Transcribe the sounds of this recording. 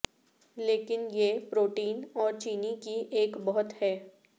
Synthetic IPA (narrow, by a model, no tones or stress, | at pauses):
leːkɪnjepɾoːʈiːnɔːɾt͡ʃiːnikieːkbɔɦʊt̪hɛː